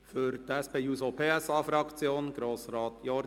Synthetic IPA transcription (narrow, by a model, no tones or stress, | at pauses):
fyɾtɛspeːjuːsopʰeːɛsɑːfɾɑkt͡sjoːnɡɾoːsɾɑːt̪jɔɾ